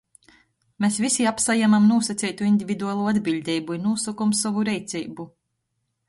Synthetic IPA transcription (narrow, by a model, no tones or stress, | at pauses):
mesvisiapsajamamnuɔsat̪sʲɛjt̪uind̪ʲivʲid̪uaːlˠuːad̪bilʲd̪ʲɛjbuinuɔsɔkɔmsɔvuɾɛjt̪sʲɛjbu